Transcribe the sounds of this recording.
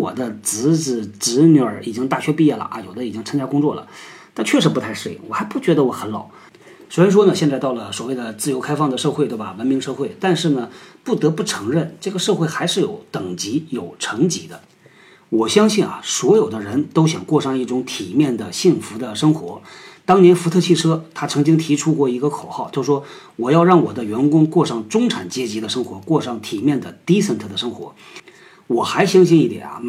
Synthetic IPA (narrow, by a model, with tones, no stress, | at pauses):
wɔ̰˨˩d̪ə˦t͡sɹ̩˧˥t͡s̩˧˩ʈ͡ʂɻ̩˧˥njə˧˥i˨˩t͡ɕi˥ŋt̪a˥˩ɕɥɛ˥pi˥˧jɛ˥˩lə̰˩ʔa̰˧jo˨˩ʊd̪ə˦i˨˩t͡ɕi˥ŋt͡sʰŋt͡ɕja˥kʊ˥ŋt͡swɔ˥˩lə̰˩ | t̪a˥˧t͡ɕʰɥɛ˥˩ʂ̬ɻ̩˧˥pu˧t̪ʰa˥˧ɪʂwe˥˩ɪwɔ˨˩xa˧˥ɪpu˥˩t͡ɕɥɛ˧˥d̪ə˧wɔ˧˥xə˧˥nlɑ˨˩˦ʊ | swe˧˥ɻa˥n˥ʂwɔ˥nə˨ɕjɛ˥˧nt͡sa˧ɪt̪ɑ˥˩ʊlə˩swɔ˨˩we˥˩ɪd̪ə˩t͡sɹ̩˥˩jo˧˥ʊkʰa˥ɪfɑ˥˩ŋd̪ə˩ʂɤ˥˧xwt̪we˥˩ɪbɐ˩wə˧˥nmi˧˥ŋʂɤ˥˧xwe˥˩ɪt̪a˥˧nʂɻ̩˥˩nə˩pu˥˩t̪ɤ˧˥pu˥˩ʈ͡ʂʰɤ˧˥ŋɻə˥˩nʈ͡ʂɤ˥˩ɡə˩ʂɤ˥˧xwe˥˩ɪxa˧˥ɪʂɻ̩˥˩jo˨˧˥ʊt̪ɤ˨˩ŋt͡ɕi˧˥jo˨˩ʊʈ͡ʂʰɤ˧˥ŋt͡ɕi˧˥d̪ə˧ | wɔ˨˩ɕjɑ˥ŋɕi˥˩nɐ̰˩swɔ˧˥jo˨˩ʊd̪ə˦ɻə˧˥nt̪o˥ʊɕjɑ̰˨˩ŋkwɔ˥˧ʂɑ˥˧ŋi˥˩ʈ͡ʂʊ˧˥ŋt̪ʰi˨˩mjɛ˥˩nd̪ə˩ɕi˥˩ŋfu˧˥d̪ə˧ʂɤ˥ŋxwɔ̰˧˥t̪ɑ˥ŋnjɛ˧˥nfu˧˥t̪ʰɤ˥˧t͡ɕʰi˥˩ʈ͡ʂʰɤ˥t̪ʰa˥t͡sʰɤ˧˥ŋt͡ɕi˥ŋt̪ʰi˧˥ʈ͡ʂʰu˥kwɔ˥˩i˧˥ɡə˧kʰo˨˩ʊxɑ˥˩ʊt͡ɕjo˥˧ʊʂwɔ˥ | wɔ˨˩jɑ˥˧ʊɻɑ˥˩ŋwɔ˨˩d̪ə˦ɥɛ˧˥nkʊ˥ŋkwɔ˥˧ʂɑ˥˩ŋʈ͡ʂʊ˥ŋʈ͡ʂʰa˨˩nt͡ɕjɛ˥t͡ɕi˧˥d̪ə˧ʂɤ˥ŋxwɔ˧˥kwɔ˥˧ʂɑ˥˩ŋt̪ʰi˨˩mjɛ˥˩nd̪ə˩t̪i˥sə˥˧nt̪ʰɤ˥˩d̪ə˨˩ʂɤ˥ŋxwɔ̰˧˥ | wɔ˨˩xa˧˥ɪɕjɑ˥ŋɕ̬i˥˧ni˥˩t̪jɛ̰˨˩nɐ̰˧˩